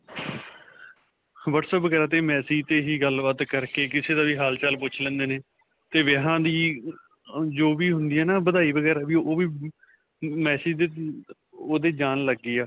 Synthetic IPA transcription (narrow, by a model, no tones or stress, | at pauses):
ʋəʈsəbəɡɛːɾaːt̪eːmɛːsiːt̪eːɦiːɡəlbət̪kəɾkeːkɪseːd̪aːʋiːɦaːlt͡ʃəlpʊt͡ʃʰlɛ̃ːnd̪eːneː | t̪eːʋeɦãːd̪iː | d͡ʒoːʋiːɦʊnd̪iːɛːnaːbəd̪aːiːbəɡɛːɾaːʋiːoːʋiː | mɛːsiːd̪eː | oːd̪eːd͡ʒaːnləɡːiːaː